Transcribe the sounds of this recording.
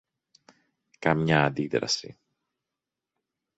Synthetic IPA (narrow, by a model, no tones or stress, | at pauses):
kɐmɲɐːnd̪iðɾɐ̰sḭ